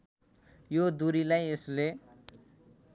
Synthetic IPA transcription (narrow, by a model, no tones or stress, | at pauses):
jod̪uɾilajesle